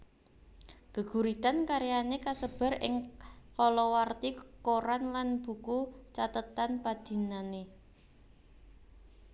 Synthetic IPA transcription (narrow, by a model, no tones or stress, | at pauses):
ɡ̥ə̤ɡ̥ṳɾit̪ankaɾijanekasəb̥a̤ɾʔɪ̰ŋkɔlɔwart̪ikoɾanlanb̥ṳkut͡ʃat̪ət̪anpad̪̥i̤nane